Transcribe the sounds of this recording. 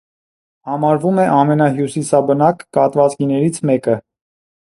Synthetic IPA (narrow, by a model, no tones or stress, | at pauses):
hɑmɑɾvumɛʔɑmɛnɑɦjusisɑbənɑkːɑt̪vɑt͡sɡinɛɾit͡sʰmɛkə